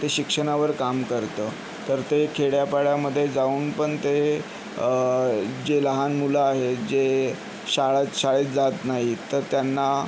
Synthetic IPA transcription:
t̪eɕikʂəɳ̃aʋəɾkamkəɾt̪əː | t̪əɾt̪ekʰeɽjapaɭjaməd̪ʱːjed͡zauːnpəɳt̪e | d͡ʑeləɦanmuləaɦed͡ʑe | ɕaɭaɕaɭet͡sd͡zat̪naɦit̪əɾt̪janːa

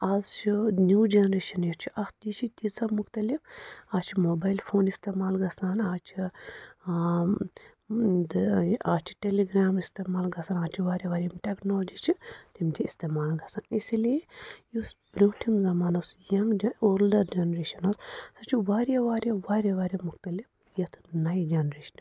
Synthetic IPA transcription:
aːzt͡ʃʰinjuːd͡ʒɐnɾeːʃɐnet͡ʃʰi̥ʔɐxt̪it͡ʃʰit̪isɐbmukt̪ɐlifaːt͡ʃʰimoːbaːjlpʰoːnist̪eːmaːlɡɐsaːnaːt͡ʃʰi | d̪aːt͡ʃʰi̥ʈeliɡɾaːmist̪eːmaːlɡɐsaːnaːt͡ʃʰiʋaːɾʲjɐʋaːɾɐmʈeknoːlod͡ʒiːt͡ʃʰit̪imt̪ʰiist̪eːmaːlɡɐsaːnisiliejusbɾʲuːʈʰimzɐmaːnɐsjɐŋɡd͡ʒɐoːld̪ɐd͡ʒɐnɾeːʃɐnɐssɐt͡ʃʰiʋaːɾijɐʋaːɾjɐʋaːɾʲɐʋaːɾʲjɐmukt̪ɐlif | jɐt̪ʰɨnɐjid͡ʒɐnɾeːʃɐ̥n

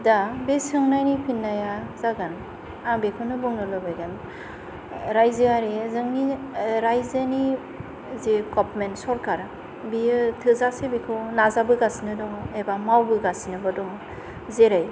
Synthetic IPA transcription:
dabesɯŋnajnipʰinːajazaɡan | aŋbekʰɯnɯbɔŋnɯlɯbajɡan | ɾajzɯaɾezɯŋniɾajzɯni | zekɔp̚mensɔɾkaɾ | biɯtʰɯzasebekʰɯnazabɯɡasinɯdɔŋebamawbɯɡasinɯbadɔŋ | zeɾaj

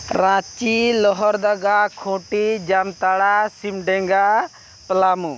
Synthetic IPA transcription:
ɾãt͡ʃilɔɦɔɾd̪aɡakʰõʈid͡ʒamt̪aɽasimɖɛ̃ŋɡa | plamu

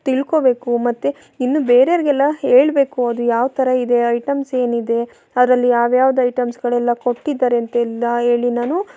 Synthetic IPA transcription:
t̪iɭko̞be̞ːkumɐt̪ːe | inːubeːɾejɐɾiɡɛlːɐɦe̞ːɭbe̞ːkuɐd̪ujaːʋt̪ʰɐɾɐid̪e̞ɐjʈɐmse̞ːnid̪e̞ | ɐd̪ɐɾɐlːijaːʋjaːʋɐd̪ɐɐjʈɐmsɡɐɭɛlːɐko̞ʈːid̪ːaːɾeɐnt̪ɐɛlːɐɦeːɭinaːnu

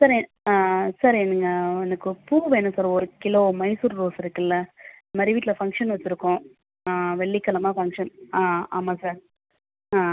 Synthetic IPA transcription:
sɐːɾ | saːɾɛnɐŋɡɐɔnɐkːɯpuːʋeːnɯ̃saːɾɔɾɯkɪloːmɐɪsuɾɾoːsɪɾɯkːɐlːɐɪnd̪ɐmad̪ɾiʋiːʈɪlɐfɐŋkʂɐnʋɐt͡ʃːɪɾɯkːõ | ʋɛɭːikːɐlɐmaːfɐŋkʂɐnːaːmaːsaːɾ

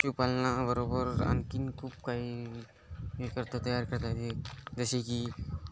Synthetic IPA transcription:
t͡ʃupalnabəɾobəɾa̰nkinkʰuːpkai | ekəɾt̪at̪əjaɾkəɾt̪at̪ed͡zəseki

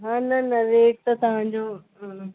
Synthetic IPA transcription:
ɦãːnɐnɐɾeːʈ̚t̪ɐt̪ɐɦãːɲd͡ʑoː

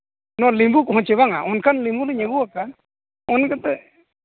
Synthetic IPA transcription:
nɔlimbukɔɦɔ̃t͡ʃɛβaŋa̰ʔɔnkʰanlimbulɛɲɛɡuaka | ɔnkat̪ɛ

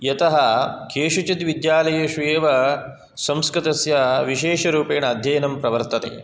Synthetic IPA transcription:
jɐt̪ɐɦɐkʰeːʂɐt͡ʃit̪ʋid̪jaːlɐjɐʃujeːʋɐ | sɐmskɾɪt̪ɐsjɐʋiʃeːʂɐɾuːpeːɳɐːd̪ʱjɐjɐnɐmpɾɐʋɐɾt̪ɐt̪ḛː

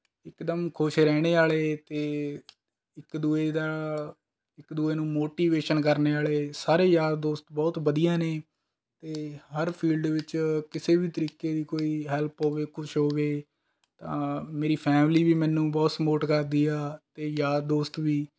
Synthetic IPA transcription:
ɪkd̪əmkʰʊʃɾɛːɽ̃eːaːleːt̪eː | ɪkd̪uːeːd̪aː | ɪkd̪uːeːnũːmoːʈiːʋeːʃənkəɾneːaːleːsaːɾeːjaːd̪d̪oːst̪bɔːt̪bəd̪ijãːneː | t̪eːɦəɾpʰiːlɖʋɪt͡ʃkɪseːbiːt̪əɾiːkeːd̪iːkoːiːɦɛlpɦoːʋeːkʰʊt͡ʃɦoːʋeː | t̪ãːmeːɾiːpʰɛːmliːbiːmɛ̃ːnːũːbɔːt̪smoːʈkəɾd̪iːaːt̪eːjaːd̪̚d̪oːst̪ʋiː

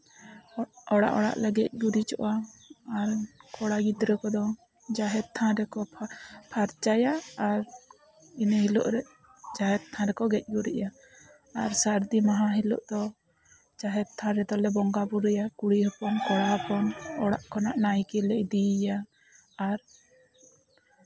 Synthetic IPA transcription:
ɔɽa̰ʔɔɽa̰ʔlɛɡɛc̚ˀɡuɾit͡ʃɔʔaː | ɾkɔɽaɡid̪ɾɛkɔd̪ɔ | d͡ʒaɦɛt̪̚t̪ʰãɾɛkɔpʰaɾt͡ʃajaːɾ | inɛhilɔ̰ʔɾɛ | d͡ʒaɦɛt̪̚t̪ʰãɾɛkɔɡɛc̚ˀɡuɾɛ̰ʔja̰ː | ɾsaɾd̪imaɦãɦilɔ̰ʔd̪ɔ | d͡ʒaɦɛt̪̚t̪ʰãɾɛd̪ɔlɛbɔŋɡabuɾɛjakuɽihɔpɔnkɔɽaɦɔpɔnɔɽa̰ʔkʰɔnaʔnajkɛlɛʔd̪ijaː | ɾ

